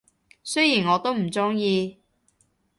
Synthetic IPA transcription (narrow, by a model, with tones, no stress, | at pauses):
sɵ˥jiː˨˩nŋɔː˨˧t̪o˥wm̩˨˩t͡sʊ˥ŋjiː˧